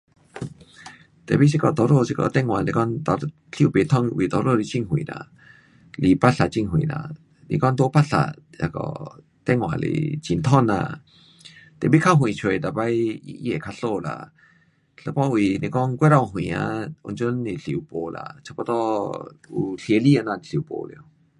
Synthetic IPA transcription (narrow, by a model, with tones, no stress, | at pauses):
t̪ɛ˨bi˦s̬i˦˧kɔ˧˨t̪ɔ˧˨ɾo˧˨si˧kɔ̰˧˨t̪ɛ˧˨ŋwã˨le˧kɔ˦nt̪ɔ˧ | ɬi˧˨u˧pe˨t̪ʰɔ˥˧˨ŋ˧ʔwʔḭ˨t̪ɔ˧ɾo˧˨li˧˦t͡ɕi˦˧ŋɦwḭ̃˨nã̰˧˨ | li˧˨pa˦tɬa˧˨t͡ɕi˧˨ŋɦwḭ̃˨nã̰˧˨ | lḭ˧˨kɔ˦nd̪o˧˦pa˦tɬa̰˧˨ | ja̰˧kɔ̰˧ | t̪ɛ˧˦ŋw̃ã̰˨lḛ˧˨t͡ɕi˨nt̪ʰɔ˥˨nːa̰˧˨ | t̪ḛ˨bi˦kʰa˧ɦw̃ĩ˨t͡ɕʰwe˨t̪a˨pa˦jḭ˧e˨kʰa˧ɬo˥˧˨la̰˧˨ | ɬə˧˦pɔ˦wi˨nẽ˧kɔ˦ŋkwɛ˦ɾa˧˨˧ɦw̃ĩ˨a̰˧u˧nt͡ɕu˦ni˧˨ɬḭ˨u˧˨po˨la̰˧˨t͡ɕʰa˧pɔ˧t̪ɔ˦u˧ɬi˧e˧˨li˦˧˨a˧nã˧˨i˨ɬi˧˨u˧˨po̰˧˨le˧˨